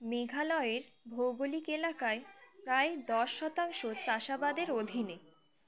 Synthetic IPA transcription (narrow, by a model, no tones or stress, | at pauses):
meɡʱalɔeɾbʱowɡolikelakaepɾaed̪ɔʃːɔt̪aŋʃot͡ɕaʃabad̪eɾod̪ʱine